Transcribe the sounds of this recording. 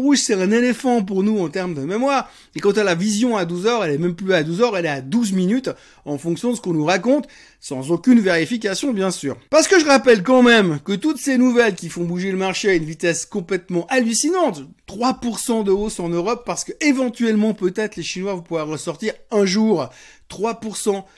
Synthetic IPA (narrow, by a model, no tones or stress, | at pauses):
ʁuʒsɛt̪ɛ̃nelefɑ̃p̬uʁnuɑ̃t̪ɛʁmd̪əmemwaːʁ | ekɑ̃t̪alavizjɔ̃ad̪uzœʁɛlɛmɛmplyad̪uzœʁɛlɛad̪uzminyt̪ | ɑ̃fɔ̃ksjɔ̃d̪əsə̥kɔ̃nuʁakɔ̃t̪ | sɑ̃zokʲynveʁifik̬ʲasjɔ̃bjɛ̃syːʁpaʁsə̥kəʒəʁapɛlkɑ̃mɛmkət̪ut̪senuvɛlkʲifɔ̃buʒeləmaʁʃeaynvit̪ɛskɔ̃plɛt̪mɑ̃ʔalysinɑ̃t̪ː | χwapuʁsɑ̃d̪əosɑ̃nøʁɔpːaʁsə̥kəevɑ̃t̪ɥɛlmɑ̃pøt̪ɛt̪χleʃinwavɔ̃puvwaʁːəsɔʁt̪iʁɛ̃ʒuːʁt̪χwapuʁsɑ̃